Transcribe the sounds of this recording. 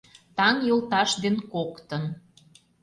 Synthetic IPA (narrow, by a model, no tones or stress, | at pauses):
t̪ɑŋjolˠt̪ɑʃd̪enkokt̪ə̆n